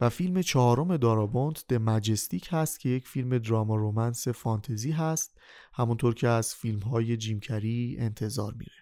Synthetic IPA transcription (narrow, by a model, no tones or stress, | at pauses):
væfilme̞t͡ʃʰɒɦɒːɾo̞me̞d̪ɒːɾɒːbont̪ʰd̪̥emæd͡ʒest̪iːcʰhæst̪̚kcʰe̞je̞cʰfilme̞d̪ɾɒːmɒɾomænse̞fɒːnt̪ʰeziːɦæst̪̚ | hæmunt̪ʰoɾcʰe̞æz̥filmɦɒːje̞d͡ʒiːmcʰæɾiːe̞nt̪ʰe̞zɒ̰ːɾmḭːɾe̥